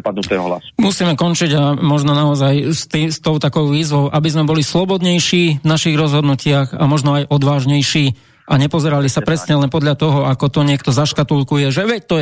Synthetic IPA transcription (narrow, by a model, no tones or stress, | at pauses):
pad̪nut̪ɛɔ̰ɦla̰smusiːmɛkɔnt͡ʃiɟamɔʒnɔnaɔzajst̪ist̪ɔʊt̪akɔʊʋiːzʋɔʊʔabizmɛbɔlislɔbɔd̪ɲɛjʃiːʋnaʃiɣɾɔzɦɔd̪nucɪaɣa̰mɔʒnɔajʔɔd̪ʋaːʒɲɛjʃiː | ʔaɲɛpɔzɛɾalisapɾɛsɲɛlɛnpɔd̪ʎat̪ɔɦɔakɔt̪ɔɲɪɛkt̪ɔzaʃkat̪ulkujɛʒɛʋɛc̚t̪ɔ